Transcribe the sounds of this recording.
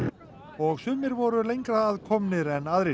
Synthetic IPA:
ɔɣsʏːmɪɾvɔɾʏlejŋkɾaːðkʰɔmnɪɾɛnaðɾɪ

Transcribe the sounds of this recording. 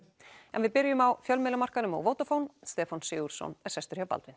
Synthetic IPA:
ɛ̰nvɪðpɪɾɪjʏmawfjœlmɪːlʏmar̥kanʏmɔ̰ɣvowt̪afownst̪ɛːfansɪːuɾ̥sɔ̰nɛɾ̥sɛst̪ʏɾhiawpa̰lt̪vɪn

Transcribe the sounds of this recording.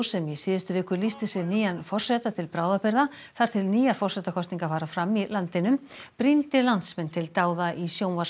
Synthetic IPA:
sɛmisiːðɪst̪ʏvɪːhkʏɾlist̪ɪsɪɾniːjanfɔr̥sɛːt̪at̪ʰɪlpɾaːwðapɛɾða | θaɾ̥t̪ʰɪlniːjaɾfɔrsɛt̪akʰɔsniŋkafaːɾafɾamːilant̪ɪnʏmpɾint̪ɪlant̪smɛnt̪ʰɪlt̪aːwðaʔisjoːwnva

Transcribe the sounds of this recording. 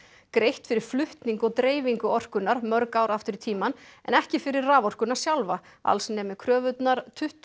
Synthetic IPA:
kɾejht̪fɪɾɪɾ̥flʏht̪niŋkɔt̪ɾeːjviŋkʏɔr̥kʏnːaɾmœɾkawɾaft̪ʏɾɪt̪ʰiːmanɛ̰nɛhcɪfɪɾɪɾːaːvɔr̥kʏnḁsjawlva | a̰lsnɛːmɪkʰɾœːvʏt̪naɾt̪ʰʏht̪

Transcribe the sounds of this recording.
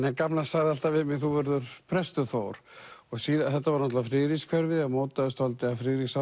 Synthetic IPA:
nɛkamlasaɣðɪalt̪avɪmɪθuvɛɾðʏɾ̥pʰɾɛst̪ʏθowɾ̥ɔɣsiːðaθɛht̪ːavaɾnɔht̪lafɾɪːɾiskʰvœɾvɪðamoːwt̪aðʏst̪ɔlt̪ɪafɾɪːɾisa

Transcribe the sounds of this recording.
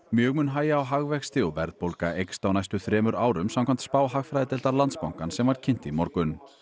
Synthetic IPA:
mjœːɣmʏnɦaːjaːwɦaɣvɛxst̪ɪɔvɛɾðpowlkaejkst̪awnajst̪ʏθɾɛːmʏɾaːwɾʏmsamkʰvam̥t̪spaːwɦaɣfɾajðɪt̪ɛlt̪aɾlant̪spawŋ̥kansɛmvaɾ̥cʰɪn̥t̪imɔɾkʏn

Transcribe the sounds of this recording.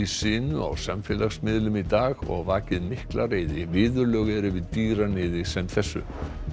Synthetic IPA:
isɪːnʏa̰wsamfɪlaɣsmɪðlʏmit̪aːɣɔ̰ɣvaːcɪðmɪhklaɾeːjðɪvɪːðʏɾlœɣɛɾɪvɪðt̪iːɾanɪːðɪsɛmθɛsːʏ̰

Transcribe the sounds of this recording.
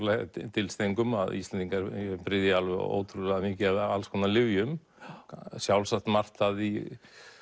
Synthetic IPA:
lat̪ʰɪlst̪eŋkʏma̰ðist̪ɛnt̪iŋkaɾpɾɪðjaalvʏ̰o̰ːwt̪ʰɾʏðaðamɪːcɪaðalskʰɔnalɪvjʏm | sjawlsaxt̪mar̥t̪ːaði

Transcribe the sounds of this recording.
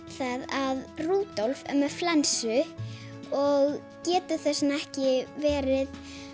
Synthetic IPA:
θaðaðruːt̪ɔlfɛ̰mɛflɛnsʏ | ɔɣ | cɛːt̪ʏθɛsːɪnaɛhcɪvɛːɾɪð

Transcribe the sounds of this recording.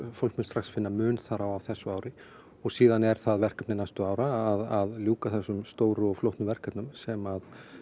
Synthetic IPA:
fowlkmʏnst̪ɾaxsfɪnːamʏːnθaɾawavθɛsːʏaːwɾɪ | ɔɣsiːðanɛɾ̥θaðvɛr̥kap̪̚nɪnajst̪ʏaːwɾaːðaðljuːkaθɛsːʏmst̪oːwɾʏɔɣflowht̪nʏvɛr̥kapnʏmsɛmað

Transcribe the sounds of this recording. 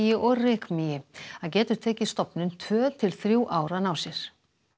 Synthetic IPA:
jɪʔɔɣrɪːkmijɪaðcɛːt̪ʏɾ̥t̪ʰɛːcɪ̥st̪ɔpnʏnt̪ʰvœːt̪ʰɪlθɾjuːʔaːwɾanaːwsjɛɾ̥

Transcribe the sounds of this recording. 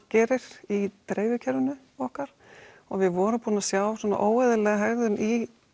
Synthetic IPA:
cɛːɾɪɾ̥it̪ɾeːjvɪcʰɛɾvʏnʏ | ɔhkaɾ̥ | ɔɣvɪðvɔːɾʏpuːnasjaːwsɔːnːa̰ʔoːwaðɪlɛːɣaɦɛɣðʏni

